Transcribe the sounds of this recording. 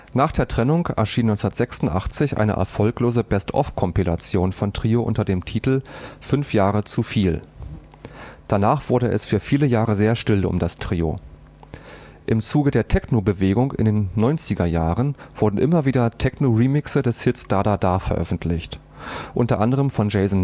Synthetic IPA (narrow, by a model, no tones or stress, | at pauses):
naːχd̥eːɐtʁ̥ɛnʊŋkɛ̰ɐʃiːnɔʏnt͡ssnɐtz̥ɛksʊntʔaχt͡sɪçʔa̰ɪnə̰ʔɛ̰ɐfɔlkloːzəbɛstʰʔɔ̰fkʰɔmpila̰t͡sjoːnfɔntʁ̥iːoʔʊ̰ntɐdeːmtʰiːtl̩fʏnfjaːʁət͡sufiːl | d̥anaːχv̥ʊɐɾəʔɛ̰sfyːɐfiːləjaːʁəzeːɐʃtɪlʊ̰mdastʁ̥iːo̰ | ʔɪmt͡suːɡədeːɐtʰɛknobəveːɡʊŋkɪ̰ndeːnːɔʏnt͡sɪɡɐjaːʁənv̥ʊɐdn̩ʔɪmɐviːdɐtʰɛknoʁimɪksədɛshɪtstaɐdadafɛɐʔœ̰fn̩tʰlɪçt | ʔʊntɐʔandəʁ̞əmfɔnd͡ʒeɪzn